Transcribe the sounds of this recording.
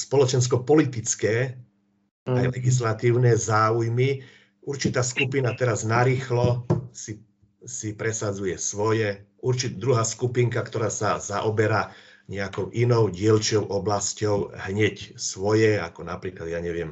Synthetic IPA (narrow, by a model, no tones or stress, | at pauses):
spɔlɔt͡ʃɛns̬kɔpɔlit̪it͡skɛː | ajlɛɡis̬lat̪iːʊnɛzaːujmi | uɾt͡ʃit̪aːskupinat̪ɛɾaznaɾiːxlɔsi | sipɾɛsad͡zujɛsʋɔjɛʔuɾt͡ʃitd̪ɾuɦaːskupiŋkakt̪ɔɾaːsaza̰ʔɔbɛɾaː | ɲɛakɔʊʔinɔʊɟɪɛlt͡ʃɪɔʊʔɔblascɔʊɦɲɛcsʋɔjɛa̰kɔnapɾiːklad̪jaːɲɛʋɪɛm